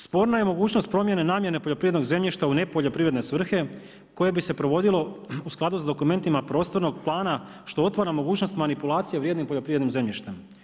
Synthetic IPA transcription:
spo̞ːɾnaje̞mo̞ɡuːt͡ɕno̞st̪̚pɾo̞mje̞ne̞naːmje̞nepo̞ʎo̞pɾiʋed̪no̞ɡze̞mʎiʃt̪aune̞po̞ʎo̞pɾiʋɾe̞d̪nesʋr̩xe̞ | ko̞jebise̞pɾo̞ʋo̞d̪ilo̞usklˠad̪usad̪o̞kume̞nt̪imapɾo̞ːst̪o̞ɾno̞ɡplˠaːna | ʃt̪o̞ot̪ʋaɾamo̞ɡuːt͡ɕno̞st̪manipulˠaːt̪sijeʋɾjed̪nimpo̞ʎo̞pɾiʋed̪nimze̞mʎiʃt̪em

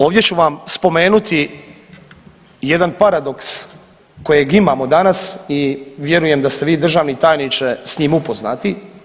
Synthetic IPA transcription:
o̞ːʋd̪ʲje̞t͡ɕuʋamspo̞me̞ːnut̪i | je̞d̪anpaɾad̪o̞ks | ko̞jeɡimaːmo̞d̪anasiʋje̞ɾuje̞md̪ast̪eʋiːd̪r̩ʒaːʋnit̪aːjnit͡ʃesɲiːmupo̞zna̰ːt̪i

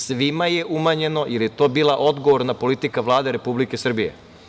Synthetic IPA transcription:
sʋimajeʔumaɲe̞no̞jʔeljet̪o̞ːbiːlaʔo̞d̪ɡoʋoɾnapo̞lit̪ikaʋlˠaːd̪eɾe̞publike̞sr̩bijḛ

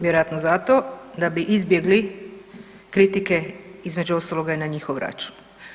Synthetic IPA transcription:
ʋjeɾojat̪nozat̪o̞d̪abiʔizbje̞ɡli | kɾit̪ike̞izme̞d͡ʑuo̞st̪alˠo̞ɡainaɲixo̞ʋɾa̰t͡ʃu̥n

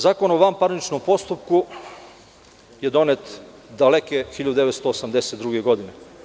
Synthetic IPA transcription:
zaːko̞noʋampaɾnit͡ʃnompo̞st̪upku | jed̪o̞net̪ | d̪alekexiʎad̪ud̪eʋet̪st̪oːsamd̪eset̪ɾuɡeɡo̞d̪ine

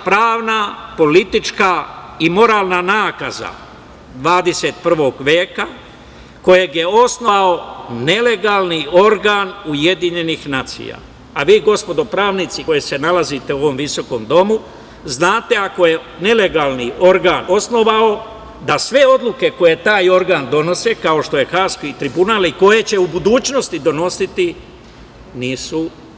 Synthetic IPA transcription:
pɾaːʋnapo̞lit̪it͡ʃkaimo̞ɾaːlˠnanaːkaza̰ | d̪ʋaːd̪e̞set̪̚pr̩ʋo̞ɡʋeːka | ko̞je̞ɡje̞o̞sno̞ʋao̞ne̞le̞ɡaːlnio̞ɾɡaːnujed̪iɲe̞nixnaːt̪sḭja̰ː | aʋiːɡo̞spo̞d̪o̞pɾaːʋnit̪sikojese̞nalazit̪e̞uoʋo̞mʋiso̞ko̞md̪o̞mu | znaːt̪e̞ako̞je̞ | ne̞le̞ɡaːlniʔo̞ɾɡaːno̞sno̞ʋao̞ | d̪asʋe̞o̞d̪lˠuke̞ko̞je̞t̪aːjo̞ɾɡaːnd̪o̞no̞se̞kao̞ʃt̪o̞je̞xaːskiit̪ɾibunaːliko̞je̞t͡ɕe̞ubud̪uːt͡ʃno̞st̪id̪o̞no̞sit̪i | niːsu

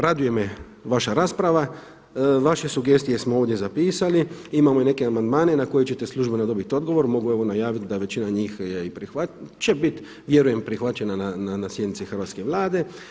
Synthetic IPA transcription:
ɾad̪uje̞me | ʋaʃaɾaːspɾaʋa | ʋaʃe̞suɡe̞st̪ije̞smooːʋd̪ʲje̞zapiːsaliimamoine̞ke̞amand̪maːne̞nako̞jet͡ɕe̞t̪e̞slˠuʒbenad̪o̞bit̪io̞d̪̚ɡo̞ʋo̞ɾmo̞ɡue̞ʋo̞najaːʋit̪̚d̪aʋe̞t͡ɕinaɲiːxjeipɾixʋat͡ʃe̞bit̪ | ʋje̞ɾuje̞mpɾixʋat͡ʃe̞nanananasje̞d̪nit̪sixr̩ʋat̪ske̞ʋlˠaːd̪e̞

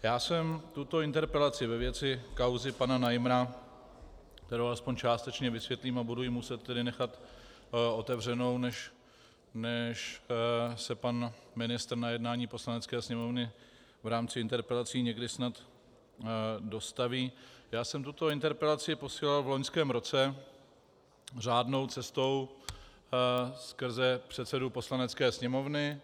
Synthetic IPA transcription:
jaːsɛmt̪ut̪oɪnt̪ɛɾpɛlat͡sɪvɛvjɛt͡sɪkawzɪpananajmɾa | k̚t̪ɛɾowalɛspoɲt͡ʃaːst̪ɛt͡ʃɲɛvɪsvjɛt̪liːmabudujɪmusɛt̪ːɛdɪnɛxat̪ | ʔo̞t̪ɛvr̝ɛno̞wnɛʃ | nɛʃ | sɛpanmɪnɪst̪rnajɛdnaːɲiːpo̞slanɛt͡skɛːsɲɛmo̞vnɪ | vɾaːmt͡sɪɪnt̪ɛɾpɛlat͡siːɲɛɡdɪsnat̪ | do̞st̪aviːjaːsɛmt̪ut̪o̞ɪnt̪ɛɾpɛlat͡sɪɪpo̞siːlalvloɲskɛːmɾo̞t͡sɛ | r̝aːdno̞wt͡sɛst̪o̞w | skr̩zɛpr̝̥ɛt̪t͡sɛdupo̞slanɛt͡skɛːsɲɛmo̞vnɪ

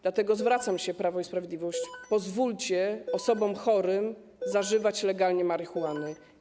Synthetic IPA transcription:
d̪̥lat̪ɛɡɔzvɾat̪samɕɛpɾavɔispɾavʲjed̪lʲivɔɕt͡ɕpɔzvult͡ɕɛɔsɔbɔmxɔɾɘm | zaʐɘvat͡ɕlɛɡalɲɛmaɾɘxuwanɘ

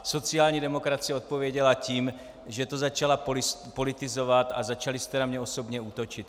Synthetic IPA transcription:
so̞t͡siaːlɲiːdɛmokɾat͡sijɛot̪̚povjɛɟɛlaciːm | ʒɛt̪ozat͡ʃalapspolɪt̪ɪzovat̪a̰zat͡ʃalɪst̪ɛnamɲɛosobɲɛuːt̪ot͡ʃɪt̪

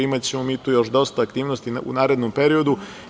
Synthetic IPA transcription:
imat͡ɕemomit̪ujo̞ʃd̪o̞st̪aːkt̪iːʋnost̪iṵnaːɾe̞d̪nompeɾio̞d̪u

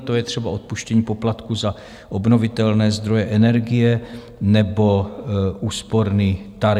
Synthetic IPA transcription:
t̪ojɛt̪r̝ɛbaʔo̞t̪̚puʃcɛɲiːpoplat̪kuza | ʔo̞bno̞vɪt̪ɛlnɛːzd̪ɾo̞jɛʔɛnɛɾɡɪjɛ | nɛbo̞ʔuːspo̞ɾniːt̪aɾ

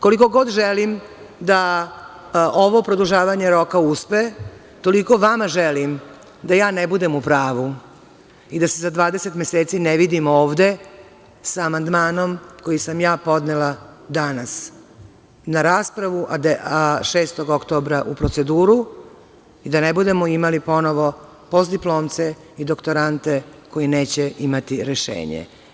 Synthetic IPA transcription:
koliko̞ɡo̞d̪ʒelimd̪a | ʔoʋo̞pɾod̪uʒaːʋaɲe̞ɾo̞kauspe | t̪o̞liko̞ʋamaʒelim | d̪ajaːnebud̪e̞mupɾaːʋu | id̪asezad̪ʋaːd̪ese̞t̪me̞seːt̪sineʋid̪imo̞ːʋd̪e̞ | saːmand̪maːno̞mko̞jisamjaːpo̞d̪nelˠad̪anas | naɾaːspɾaʋuʔad̪aʃe̞ːst̪o̞ɡo̞kt̪o̞ːbɾaʔupɾo̞t̪se̞d̪uːɾu | id̪anebud̪e̞moimalipo̞no̞ʋo̞ | po̞zd̪iplo̞ːmt̪se | id̪o̞kt̪o̞ɾant̪e̞ko̞jine̞ːt͡ɕeimat̪iɾeʃḛːɲḛ

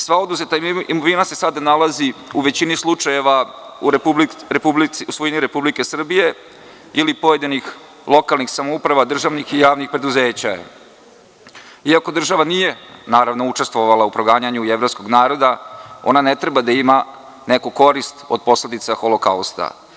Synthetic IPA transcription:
sʋao̞d̪uzet̪aimoʋinase̞sad̪analaziuʋe̞t͡ɕinislˠut͡ʂaje̞ʋa | biubliiusʋoiniɾe̞publike̞sr̩bije̞ | ilipo̞je̞d̪inix | lˠo̞kalˠnixsamoupɾaʋad̪r̩ʒaʋnixijaːʋnixpɾe̞d̪uze̞ːt͡ɕa | iako̞d̪r̩ʒaʋanije̞naːɾaʋnout͡ʂe̞st̪vʋo̞ʋalˠaupɾoɡaːɲaɲueʋɾo̞psko̞ɡnaːɾo̞d̪ao̞̰nane̞t̪ɾe̞bad̪aima | nekuko̞ɾist̪o̞d̪̚po̞sle̞d̪it̪saxo̞loka̰ust̪a̰

